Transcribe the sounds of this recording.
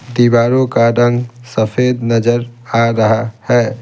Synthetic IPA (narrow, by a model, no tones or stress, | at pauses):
d̪iːbaːɾõkaɾɐ̃ŋɡsɐfʰeːd̪nɐd͡ʒəɾaːɾɐɦahɛː